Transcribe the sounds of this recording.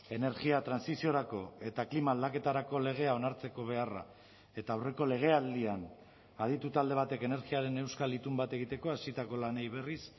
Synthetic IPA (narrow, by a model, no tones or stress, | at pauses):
e̞ne̞ɾɣiat̪ɾansisio̞ɾako̞e̞t̪aklimalake̞t̪aɾako̞le̞ɣ̞e̞ao̞naɾt͡se̞ko̞β̞e̞ara̰ | e̞t̪aːwre̞ko̞le̞ɣ̞e̞ald̪ian | að̞it̪ut̪ald̪e̞β̞at̪e̞ke̞ne̞ɾɣiaɾe̞ne̞wskalit̪umbat̪e̞ɣ̞it̪e̞ko̞asit̪ako̞lanejβe̞ris